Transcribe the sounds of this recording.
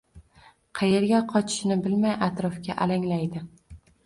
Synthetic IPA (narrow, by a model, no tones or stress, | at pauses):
qʰɑje̞ɾɡʲaqʰɒt͡ʃʰɪ̥ʃnɪbɪlmajʔat̪ɾɒfɡʲaʔalaŋlajd̪ɪ